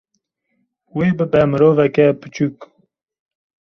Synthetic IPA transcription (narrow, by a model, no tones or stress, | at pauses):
weːbɨbɛmɨɾoːvɛkɛpɨ̥t͡ʃuk